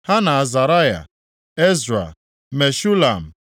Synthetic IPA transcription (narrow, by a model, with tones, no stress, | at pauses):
ha˦na˨a˨za˨ɾa˦ja̰˨ | e˦zɾa̰˨ | me˨ʃu˦la˨m̩˨